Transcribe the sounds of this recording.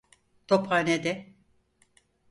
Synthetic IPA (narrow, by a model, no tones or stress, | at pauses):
t̪ʰopaːnɛd̪ɛ